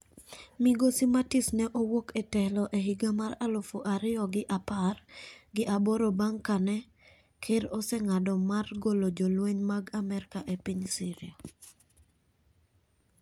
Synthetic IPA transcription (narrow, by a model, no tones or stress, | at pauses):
mɪɡosimatisnɛʔowoketɛlɔʔeɦiɡamaɾalofoʔaɾɪɔɡɪʔaparɡɪʔaboɾobaŋkanɛ | kʰɪɾɔsɛŋadɔmarɡolod͡ʒolweɲmaɡamɛɾkaʔepiɲsiɾɪo